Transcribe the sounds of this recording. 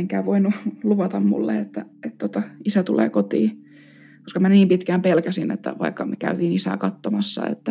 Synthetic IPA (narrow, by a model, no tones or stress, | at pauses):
eŋkæːʋoinːuluʋɑt̪ɑmmṵlːḛet̪ːæet̪t̪ot̪ɑisæt̪ulḛːkot̪iː | ko̥skɑmæniːmpit̪kæːmpelkæsinḛt̪ːæ̰ʋɑikːɑmekæ̰yt̪iːnisæ̰ːkɑt̪ːomɑsːɑ̰ḛt̪ːæ